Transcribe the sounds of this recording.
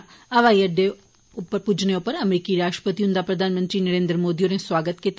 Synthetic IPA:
ɐʋaːiəɖe | ʊpːəɾpud͡ʒʱneʊpːəɾɐmɾiːkiɾaːsʃʈɾə̥pət̪iɦʊ̃nd̪apɾɐd̪ʱaːnmə̃nt̪ɾinɐɾẽːnd̪ɾmoːd̪ijoɾẽsʋaːɡət̪ket̪

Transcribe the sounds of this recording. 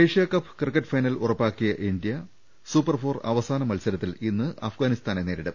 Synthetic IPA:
ejʂijɐkɐpːɨ̥krɨkːɐʈːfɐjnɐlurɐpːaːkːijɐʔind̪ijɐ | suːpːɐrfo̞ːrɐ̰ʋɐsaːnɐmɐlsɐɾɐt̪ːilinːɨʔɐ̰fɡaːnist̪aːneneːɾiɽɨ

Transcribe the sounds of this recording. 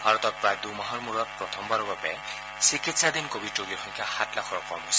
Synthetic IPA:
bʱaɾɔt̪ɔk̚bad̪umaɦɔrmuɾɔt̚pɾɔt̪ʰɔmbaɾɔbabɛ̰ | sikit̪sʰad̪inkobʱiʈoɡiɾʰɔjkahat̪lakʰɔɾɔkɔmɦos

